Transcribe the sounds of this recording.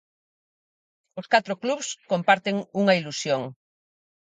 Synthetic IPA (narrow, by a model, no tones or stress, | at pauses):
oskat̪ɾokluβskõmpaɾt̪eŋuŋɐilusjoŋ